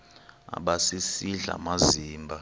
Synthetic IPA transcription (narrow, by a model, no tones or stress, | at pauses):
a̰ɓasisiɮa̰maziːmbʱa